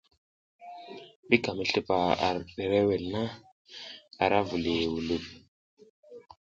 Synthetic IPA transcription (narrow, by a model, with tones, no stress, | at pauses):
ɓi˦ka˨mə˨ɬi˦pa˨a̰˨ɾɗe˨ɾe˦we˨lna˦ | a˨ɾa˦vu˨li˨wu˨lu˨p